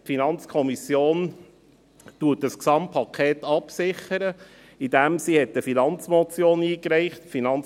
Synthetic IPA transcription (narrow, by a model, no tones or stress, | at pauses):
tfinɑnt͡skʰɔmisjoːn | tuːətəsksɑmpʰːɑkʰeːt̪ɑpsɪχəɾə | id̥æmsihɛtəfinɑnt͡smɔt͡sjoːniːkɾɛɪχtfinɑn